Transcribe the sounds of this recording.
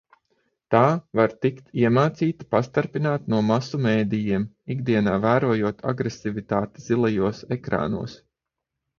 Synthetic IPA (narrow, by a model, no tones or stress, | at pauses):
t̪aːvaɾt̪ikt̪iɛmaːt̪siːt̪ḁpast̪aɾpinaːt̪nuɔmasumeːd̪ijiɛm | iɡd̪iɛnaːvæːɾuɔjuɔt̪ʰa̰ɡɾesivit̪aːt̪iz̥ilˠajuɔsɛkɾa̰ːnṵɔs